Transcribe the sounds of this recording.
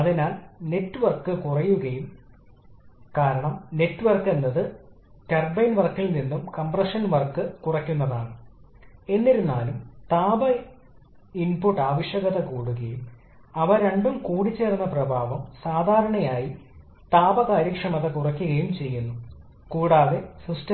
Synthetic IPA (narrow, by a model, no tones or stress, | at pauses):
ɐðinaːlne̞tːɨʋɐrkːɨkurɐjːuɣɐjum | kaːɾɐɳɐmne̞tːuʋɐrkːenːɐðɨ | ʈɐrbɐjnʋɐrkːilninːumkɐmprɐʂɐnʋɐrkːɨkurɐkʲːunːɐðaːɳɨ | e̞nːiɾunːaːlumt̪aːbɐ | inpuʈːaːʋɐɕjɐɣɐðɐkuːɽuɣɐjum | ɐʋɐɾeɳɖumkuːɽit͡ɕːe̞ːrunːɐprɐbʱaːʋɐmsaːd̪ʱaːɾɐɳɐjaːji | t̪aːbɐkaːɾjɐkʂɐmɐðɐkurɐkʲːuɣɐjumt͡ɕe̞jːunːu | kuːɽaːðe̞sustɐ